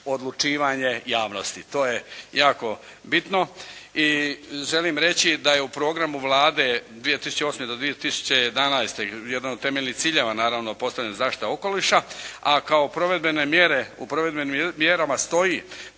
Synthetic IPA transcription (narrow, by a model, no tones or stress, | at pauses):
o̞d̪lˠut͡ʃiːʋaɲe̞jaːʋno̞st̪it̪o̞ːje̞jaːko̞ | bit̪no̞iʒe̞liːmɾe̞t͡ɕid̪aje̞upɾoːɡɾamuʋlˠaːd̪e̞d̪ʋije̞t̪isu̥t͡ɕeo̞ːsme̞d̪o̞d̪ʋije̞t̪isu̥t͡ɕe̞jed̪anajst̪e̞jed̪anod̪̚t̪ːe̞meʎʲnit̪siːʎeːʋanaːɾaʋno̞po̞st̪aʋʎenozaːʃt̪i̥t̪ao̞ko̞liʃaakao̞pɾoʋe̞d̪benemjeɾeupɾoʋe̞d̪benimjeɾamast̪o̞ji